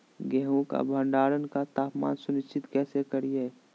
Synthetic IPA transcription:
ɡɛɦũka̰bʱə̃ɳɖaːɾənkat̪aːpma̰ːnsʊnɪst͡ʃʰːɪt̪kɛːsekəɾiɛ

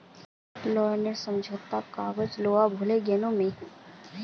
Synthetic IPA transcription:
lɔːnəɾsə̃md͡ʒʱot̪akaːɣəd͡ʒloːabʱʊleɡeːnõmẽ

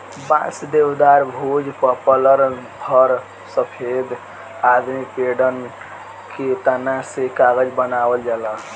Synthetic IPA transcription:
bã̰sd̪ewd̪aɾbʱod͡ʒpəpələɾpʰəɾ | səpʰed̪ | ad̪mipeɖən | ket̪anasekaɡəd͡ʒbənabəld͡ʒalə

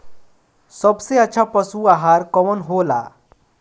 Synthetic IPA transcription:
səbseaːt͡ɕʰapəsuaɦaɾkɔʋənɦola

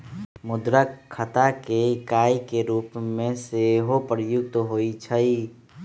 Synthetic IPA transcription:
mʊd̪ɾəkkʰːət̪akekaːikeɾuːpmẽseɦopɾjʊk̚t̪ɦoːit͡ʃʰəiː

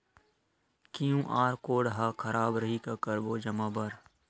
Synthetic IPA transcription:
kijũːʔaːɾkoːɽɦaːkʰɐɾaːbɾəɦikakəɾboːd͡ʒɐmaːbəɾ

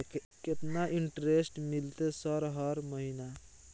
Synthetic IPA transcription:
k | ket̪naʔiɳʈɾesʈmilt̪esɔɾɦəɾməɦina

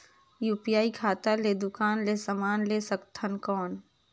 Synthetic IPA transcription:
juːpijaːikʰaːt̪aled̪ʊkaːnleːsəmaːnlesəkt̪ʰənkɔːn

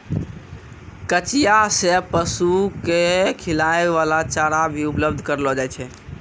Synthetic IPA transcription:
kət͡ʃijasepəsukekʰilaeʋalat͡ʃaɾabʱiupləbd̪ʱkəɾlɔd͡ʒajt͡ʃʰɛ

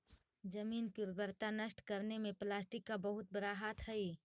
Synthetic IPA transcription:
d͡ʒəmiːnkiɾbəɾt̪anəsʈkəɾnemẽplaːsʈikːabəɦʊt̪̚bəɾaɦat̪ɦəi

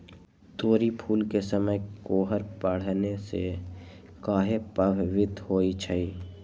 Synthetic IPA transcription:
t̪oːɾipʰuːlkesəməjkoːɦəɾpəɽ̤nese | kaːɦepəbʱʋɪt̪hoːit͡ʃʰəiː

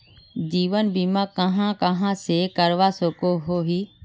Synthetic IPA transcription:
d͡ʑiːʋənbimãkɐɦãkɐɦãsekɐɾʋasokoɦoɦiː

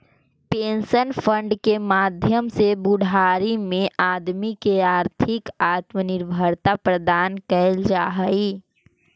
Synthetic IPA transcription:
peːnsənpʰə̃ɳɖkemaːd̪ʱjəmsebʊɽʱaːɾimẽʔaːd̪mikeaːɾt̪ʰɪkaːt̪mənɪɾbʱəɾt̪apɾəd̪aːnkəld͡ʒaːɦəi

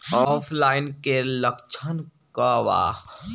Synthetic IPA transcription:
ɔːpʰlaːɪnkeləkt͡ʃʰənkaʋa̰ːx

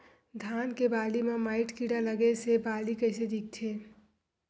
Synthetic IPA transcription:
d̪ʱaːnkebaːlimãmaːɪʈkiɽaləɡesebaːlikəɪsed̪ik̚t̪ʰeː

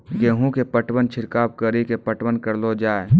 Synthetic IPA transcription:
ɡeɦũkepəʈwənt͡ʃʰiɾkab̚kəɾikepəʈwənkəɾlod͡ʒaːe

